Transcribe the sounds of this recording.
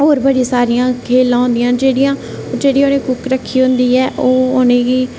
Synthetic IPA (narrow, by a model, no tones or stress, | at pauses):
oːɾbəɽiːsaːɾɪjãːkʰeːlːãːɦʊ̃nd̪ɪjãːd͡ʒeːɽɪjãː | d͡ʒeːɽiːoːnẽːkʊkɾəkʰːiːɦʊ̃nd̪iːɛːʔoːʊnẽːɡiː